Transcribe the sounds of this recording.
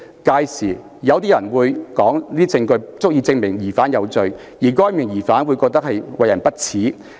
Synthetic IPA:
kaː˧jsiː˨˩ | jɐ˨˧wt̪iː˥jɐ˨˩nwuː˨˧jkɔː˨˥ŋliː˥i˥t͡sɪ˧ŋkɵ˧ɥt͡sʊ˥k̚jiː˧t͡sɪ˧ŋmɪ˨˩ŋjiː˨˩faː˨˥njɐ˨˧wt͡sɵ˧ɥ | jiː˨˩kɔː˥jmɪ˨˩ŋjiː˨˩faː˨˥nwu˨˧jkɔː˧k̚t̪ɐ˥k̚hɐ˨jwɐ˨jɐ˨˩npɐ˥t̚t͡sʰiː˨˥

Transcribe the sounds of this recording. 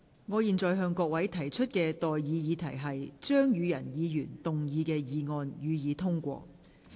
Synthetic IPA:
ŋɔː˨˧jiː˨˧nt͡sɔː˨jɦœː˧ŋkɔː˧k̚wɐ˨˥jt̪ʰɐ˨˩jt͡ʃʰɵ˥t̚kɛː˧t̪ɔː˨jjiː˨˧jiː˨˧t̪ʰɐ˨˩jɦɐ˨jt͡ʃœː˥ŋjyː˨˧jɐ˨˩njiː˨˧jyː˨˩nt̪ʊ˨ŋjiː˨˧kɛː˧jiː˨˧ŋɔː˧njyː˨˧jiː˨˧t̪ʰʊ˥ŋkʷɔ̰ː˧

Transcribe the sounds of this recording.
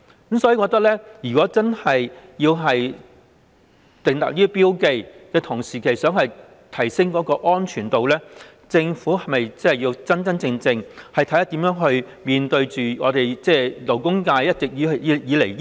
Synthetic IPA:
kə˨˧˥msɔː˧˥ji˧kɔ˧kt̪̬ɐ˥k̚lɛː˥jyː˨˩kɔː˨˥t͡sɐ˥nhɐ˨jjiː˧wɦɐ˨j | t̪ɪ˨ŋt̪ɐ̰˨k̚liː˥piː˥wke˧jkɛː˧t̪ʰʊ˨˩ŋsiː˨kʰe˨˩jsœː˨˥ŋhɐ˨j | t̪ʰɐ˨˩jsɪ˥ŋkɔː˨˥kɔː˧ʔɔː˥nt͡ʃʰyː˨˩nt̪o˨wlɛː˥ | t͡sɪ˧ŋfuː˨˥ɦɐ˨jmɐ˨jt͡shɐ˨˩ji˧wt͡sɐ˥nt͡sɐ˥nt͡sɪ˧ŋt͡sɪ˧ŋhɐ˨jt̪ʰɐ˨˥t̪ːɐ˥t̪iː˨˥mjœː˨˥ŋɦɵ˧ɥ | miː˨nt̪ɵ˧ɥt͡ʃyː˨ŋɔ̰ː˨˧ɾe˨jt͡sɛː˥˧lo˨˩wkʊ˥ŋkaː˧jjɐ˥t̚t͡sɪ˨k̚jiː˨˧˨jiː˨˧˥le˨˩j

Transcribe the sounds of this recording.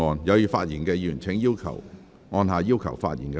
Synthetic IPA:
ɔː˧njɐ˨˧wjyː˨˩faː˧t̚jiː˨˩nkɛː˧jyː˨˩nt͡sʰɪ˨˥ŋjiː˥wkʰɐ̰˨˩w | ŋɔː˧nɦaː˨˧jiː˥wkʰɐ̰˨˩wfa̰ː˧t̚jḭ˨˩nkɛː˧

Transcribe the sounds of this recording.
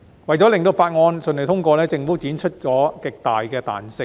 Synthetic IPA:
wɐ˨jt͡ɕɔ˨˥lɪ˨˩ŋt̪̬o˧wfaː˧t̚ŋɔː˧nsɵ˨˩nɵ˨˩t̪ʰʊ˥ŋkʷɔː˧lɛː˥t͡sɪ˨˧ŋfuː˨˥t͡siː˨˥nt͡ʃʰɵ˥t̚t͡sɔː˨˥kɪ˨k̚t̪aː˨jkɛː˧t̪a̰ː˨˩nsɪ˧ŋ

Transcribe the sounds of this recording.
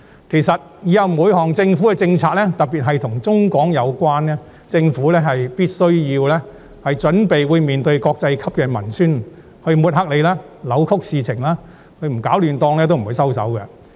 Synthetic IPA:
kʰe˨˩jsɐ˨t̚jyː˨˥jɐ˨wmuː˨˧jhɔː˨˩ŋt͡sɪ˧ŋfu˨˥kɛ˧t͡sɪ˧ŋt͡sʰaː˧k̚lɛː˥t̪ɐ˨k̚piː˨t̚ɦɐ˨jt̪ʰʊ˨˩ŋt͡sʊ˥ŋkɔː˨˥ŋjɐ˨˧wkʷwaː˥nɛ˥ | t͡sɪ˧ŋfuː˨˥lɛː˥ɦɐ˨jpiː˥t̚sɵ˥ɥjiː˧wlɛː˥ | hɐ˨jt͡ʃɵ˨˥npe˨jwuː˨˧jmiː˨nt̪ɵ˧ɥkɔː˧k̚t͡sɐ˧jkʰɐ˥p̚kɛ˧mɐ̰˨˩nsyː˥n | hɵ˧ɥmuː˨t̚ɦɐ˥k̚le˨˧jlaː˥ | lɐ˨˧wkʰʊ˥k̚siː˨˧t͡sʰɪ˨˩ŋlaː˥ | kʰɵ˧ɥm̩˨˩kaː˨˥wlyː˨nt̪ɔː˧ŋlɛ˥t̪wm̩˨˩uː˨˧jsɐ˥wsɐ̰˨˥wkɛ̰˧

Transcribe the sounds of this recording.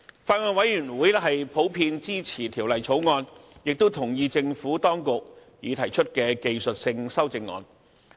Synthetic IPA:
faː˧t̚ŋɔː˧nwɐ˨˥jɥyː˨˩nwuː˨˥jlɛ˥ɦɐ˨jpʰo˨˥wpʰiː˧nt͡siː˥t͡sʰiː˨˩t̪ʰiː˨˩wlɐ˨jt͡sʰo˨˥wŋɔː˧njɪ˨k̚t̪o˥wt̪ʰʊ˨˩ŋjiː˨˧t͡sɪ˧ŋfuː˨˥t̪ɔː˥ŋkʊ˨k̚ | jiː˨˧t̪ʰɐ˨˩jt͡ʃʰɵ˥t̚kɛː˧ke˨jsɵ˨t̚sɪ˧ŋsɐ˥wt͡sɪ˧ŋːɔ̰ː˧n

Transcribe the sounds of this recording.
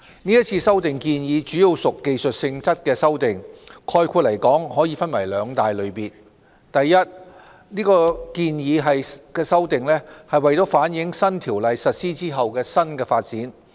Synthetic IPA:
niː˥jɐ˥t̚t͡sʰiː˧sɐ˥wt̪ɪ˨˩ŋkiː˧njiː˨˧t͡ʃyː˨˥ji˨˧wsʊ˨kːe˨jsɵ˨t̚sɪ˧ŋt͡sɐ˥t̚kɛː˧sɐ˥wt̪ɪ˨˩ŋkʰɔː˧jkʷʰuː˧t̚lɐ˨˩jkɔː˨˥ŋhɔː˨˥jiː˧fɐ˥nwɐ˨˩jlœː˨˧ŋt̪aː˨jlɵ˨˧ɥpiː˨˩n | t̪ɐ˨jːɐ˥t̚ | niː˥kɔː˧kiː˧njiː˨˧ɦɐ˨jkɛː˧sɐ˥wt̪ɪ˨ŋlɛː˥hɐ˨jwɐ˨˩jt̪o˨˥wfaː˨˥njɪ˨˥ŋsɐ˥nt̪ʰiː˨˩wlɐ˨jsɐ˨t̚siː˥t͡siː˥ɦɐ˨wkɛː˧sɐ˥nkɛː˧faː˧t̚t͡siː˨˥n

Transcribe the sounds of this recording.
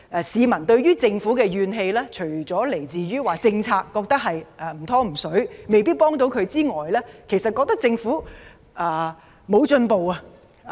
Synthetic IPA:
ʔɛ˨˩siː˨˧mɐ˨˩nt̪ɵ˧ɥɥyː˥t͡sɪ˧ŋfuː˨˥kɛː˧ɥyː˨˧nɦe˧jlɛː˥t͡ʃʰɵ˨˩t͡sɔː˨˥le˨˩jt͡siː˨ɥyː˥waː˨t͡sɪ˧ŋt͡sʰaː˧kːɔː˧k̚t̪ɐ˥k̚ɦɐ˨jʔɛː˨˩m̩˨˩t̪ʰɔː˥m̩˨˩sɵ˨˥ɥme˨jpiː˥t̚pɔː˥ŋt̪o˨˥wkʰɵ˨˧ɥt͡siː˥ŋɔː˨jlɛː˥kʰe˨˩jsɐ˨t̚kɔ˧k̚t̪ɐ˥k̚t͡sɪ˧ŋfuː˨˥ | ʔɛː˨˧ | mo˨˧wt͡ʃɵ˧npo˨wa˧

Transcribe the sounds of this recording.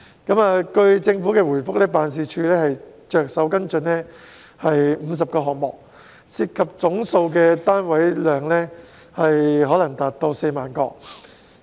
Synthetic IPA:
kɐ˨˥maː˨kɵ˧ɥt͡sɪ˧ŋfu˨˥kɛː˧wuː˨˩jfʊ˥k̚lɛː˥paː˨˧ns̬iː˨˧t͡ʃʰyː˧lɛː˥hɐ˨jt͡ʃœː˨k̚sɐ˨˥wkɐ˥nt͡ʃɵ˧nlɛː˥ | hɐ˨jm̩˨˧s̬ɐ˨p̚kɔː˧ɦɔː˨k̚mɔː˨k̚ | si˧tkʰːɐ˨p̚t͡sʊ˨˥ŋso˧wkɛː˧t̪aː˥nwɐ˨˥jlœː˨ŋlɛː˥ | hɐ˨jɦɔː˨˥lɐ˨˩ŋt̪aː˨t̚t̪o˧wse˧jmaː˨˩nkɔː˧

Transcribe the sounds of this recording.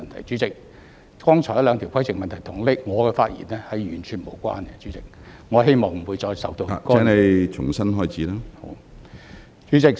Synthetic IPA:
nt̪ʰɐ˨˩jt͡ʃyː˨˥t͡sɪ˨˧k̚ | kɔː˥ŋt͡ʃʰɔ˨˩jɐ˥lœ˨˧ŋt̪ʰi˨˩wkʰɐ˥jst͡sɪ˨k̚mɐ˨nt̪ʰɐ˨˩jt̪ʰʊ˨˩ŋlɪ˥k̚ŋɔː˨˧kɛː˧faː˧t̚jḭ˨˩nɛː˥hɐ˨jɥyː˨˩nt͡ʃʰyː˨˩nmo˨˩wkʷa̰ː˥nɡɛ˧t͡ʃyː˨˥t͡sɪ˨˥k̚ŋɔː˨˧ɦe˥jmɔː˨˩ŋm̩˨˩wuː˨˧jt͡ʃɔː˧jsɐ˨wt̪o˧wa̰˨kɔː˥ɛ˥nɐ˨jt͡ʃʰʊ˨˩ŋsɐ˥nɦɔː˥jt͡sʰiː˨˥laː˥ho̰˨˥w | t͡ʃyː˨˥t͡sɪ˨˧k̚

